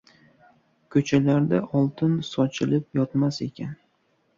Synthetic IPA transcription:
kʰɵt͡ʃʰalaɾd̪aʔɒlˠt̪ʰɪnsɒt͡ʃʰɪlɪp̚jɒt̪mase̞kʲʰan

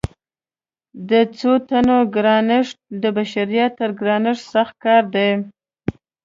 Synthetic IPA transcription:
d̪ət͡sot̪anoɡɾɑnɪʂd̪əbaʃaɾijɑt̪ːəɾɡɾɑnɪʐsaxt̪̚kɑɾd̪aj

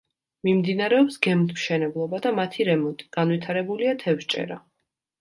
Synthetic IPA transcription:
mimd̪inaɾɛɔpsɡɛmt̪ʰmʃɛnɛblˠɔbad̪amat̪ʰiɾɛmɔnt̪ʼiɡ̥anwit̪ʰaɾɛbuliat̪ʰɛfʃt͡ʃʼɛ̰ɾa

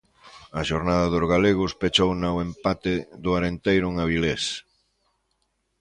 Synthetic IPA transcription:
ɐʃoɾnaðɐðʊzɣaleɣʊspet͡ʃownawempat̪ɪðʊaɾent̪ejɾʊŋaβiles

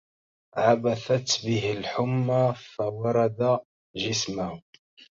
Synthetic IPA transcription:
ʕabaθat̪bɪɦɪlħʊmːafawɑɾˤɑd̪a | ʒɪsmah

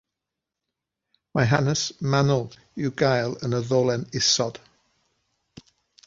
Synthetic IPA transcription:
maɪɦanəsmanəlˠ | juɡaɪlə̃nəðɔːlɛnɪsɔd̥

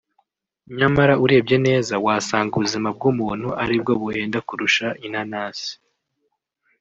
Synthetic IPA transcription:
ɲamaɾauɾe̞ːbje̞ne̞ːzawaːsaːŋɡuβuzimab̚ɡumuːn̥huʔaɾib̚ɡo̞βuhe̞ːndakuɾuʃaʔin̥hanaːsi̥

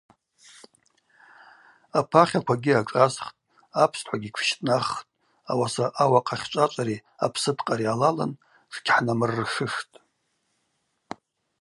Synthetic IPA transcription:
apʰaχʲakʷʰaɡʲiaʈ͡ʂʼazχtʼ | apʰstʰħʷaɡʲikʷʰʃtʼnaχtʼ | a̰wasaʔawaqʼaχʲt͡ʃʷʼat͡ʃʷʼaɾiapʰsɨdqʼaɾialala̰n | ʂɡʲħnamɨrːʂɨʂtʼ

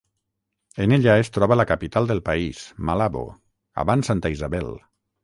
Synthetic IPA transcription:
eneʎaest̪ɾɔβəlakapit̪alˠd̪elˠpaismalaβo̰ | a̰βansant̪aizaβɛl

